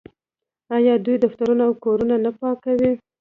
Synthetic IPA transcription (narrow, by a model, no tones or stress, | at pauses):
ɑjɑd̪ujd̪aft̪aɾunaawkoɾunanapɑkawi